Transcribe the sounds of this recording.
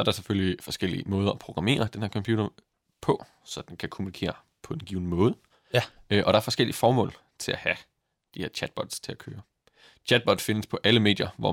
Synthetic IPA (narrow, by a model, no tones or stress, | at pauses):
sɒ̽æɐɾɑ̈seføllifɒ̽sɡ̥el̰imɔ̽ːð̞ˠɐɒpʰʁo̝ɡ̥ʁɑ̈me̝̰ːɐd̥enheɐkʰɒpʰjṵːd̥ɐ | pʰɒ̽ | sɒ̽d̥enkʰækʰo̝munikʰe̝̰ːɐ | pʰɒ̽d̥enɡ̥iːʊnəmɔːð̞̩ˠ | øʔɒ̽ɾ̥ɑ̈æɐfɒ̽sɡ̥el̰iəfɒːmɔ̰̽ːl | t͡sʰe̝læhæ | d̥ihe̝ɐ̰t͡ɕʰæd̥̚b̥ɒ̽d̥st͡sʰe̝lækʰøːɐ | t͡ɕʰæd̥̚b̥ɒ̽d̥fe̝nəspʰɒ̽ʔæləme̝̰ːdjɐʋɒ̰